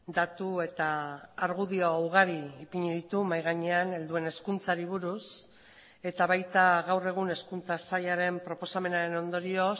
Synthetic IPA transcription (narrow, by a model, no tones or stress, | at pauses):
d̪at̪ue̞t̪aːɾɣ̞uðio̞awɣaɾiːpiɲeðit̪umajɣaɲe̞ane̞ld̪ue̞ne̞skunt͡saɾiβuɾus | e̞t̪aβajt̪aɣawre̞ɣ̞une̞skunt͡sasaʎaɾe̞mpɾo̞po̞same̞naɾe̞no̞nd̪o̞ɾio̞